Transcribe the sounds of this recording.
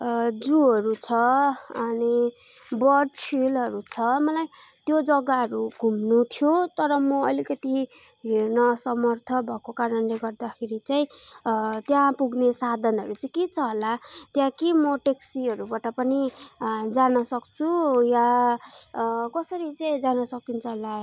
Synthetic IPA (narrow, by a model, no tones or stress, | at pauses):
d͡zuɦʌɾut͡sʰʌʌni | bʌɖpʰilɦʌɾut͡sʰʌmʌlaj | t̪jod͡zʌɡaɦʌɾuɡʱumnut̪ʰjot̪ʌɾʌmʌʌlikʌt̪i | ɦernʌsʌmʌrt̪ʰʌbʱʌkokaɾʌnleɡʌrd̪akʰeɾit͡saĩ | t̪jãpuɡnesad̪ʱʌnɦʌɾut͡saĩket͡sʰʌɦolat̪jãkimʌʈeksiʌɾubaʈʌpʌni | d͡zanʌsʌkt͡sʰuja | kʌsʌɾit͡saĩd͡zanʌsʌk̪̚int͡sʰʌɦola